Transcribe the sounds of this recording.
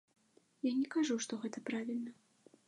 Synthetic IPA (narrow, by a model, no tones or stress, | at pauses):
janʲɛkaʐuʂt̪ɔɣɛt̪ɐpɾavʲilʲnɐ